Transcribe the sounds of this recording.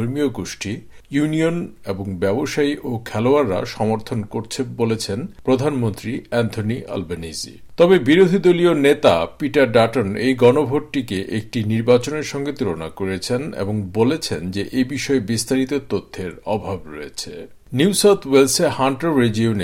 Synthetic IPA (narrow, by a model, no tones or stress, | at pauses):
oɾmioɡoʃʈi | junioneboŋbɛboʃaiʔokʰɛloaɾːa̰ʃɔmoɾt̪ʰonkoɾt͡ɕʰebolet͡ɕʰenpɾod̪ʱanmont̪ɾiɛnt̪ʰonia̰lbenid͡ʑḭ | t̪ɔbebiɾod̪ʱid̪olionet̪apiʈaɾɖaʈonejɡɔnobʱoʈʈikeʔek̚ʈiniɾbat͡ɕoneɾʃɔŋɡet̪uɾona̰koɾet͡ɕʰenḛboŋbolet͡ɕʰend͡ʑeʔebiʃɔebist̪aɾit̪ot̪ot̪ʰːeɾɔbʱabɾo̰jet͡ɕʰe | niusawt̪ʰwelsehaɳʈoɾɾed͡ʒione